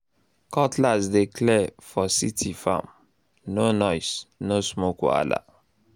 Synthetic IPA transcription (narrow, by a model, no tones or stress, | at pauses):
kɔtlasdekʰlɛfɔsitʰifã̰m | nonɔjsnosmoko̰a̰la̰